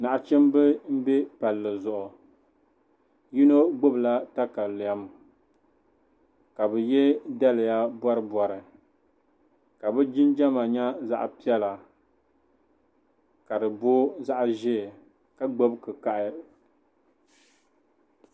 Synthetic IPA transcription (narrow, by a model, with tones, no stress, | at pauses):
na˨ʔa˨t͡ʃɛ˦mbɨ˦m̩˦bɛ˦pa˨lːɨ˨zʊ˨ʔʊ˨ | ji˦no˦ɡ͡bo˦bla˦ta˦ka˨lʊ˨ja˦m˨ | ka˨bɨ˨jɛ˦da˦lɪ˨ja˦bɔ˦ɾɨ˦bɔ˨ɾɨ˨ | ka˨bɛ˦d͡ʒɪ˦nd͡ʒa˦ma˨ɲa˦za̰˦ʔpi˦ɛ˦la˨ | ka˨dɨ˨bo˦za˦ʔʒɛ˦˨ | ka˦ɡ͡bo˦bkɨ˨ka˨ʔɪ˦